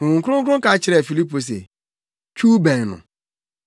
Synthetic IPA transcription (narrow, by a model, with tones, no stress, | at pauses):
ŋ̩˨kʊ˦ɾʊ˦ŋ̩˦ʊ˦ɾʊ˦ka˨˦t͡ʃɪ˦ɾe˨fi˨li˦p̬o˨s̬ḛ˨ | t͡ʃu˦be˨nʊ̰˨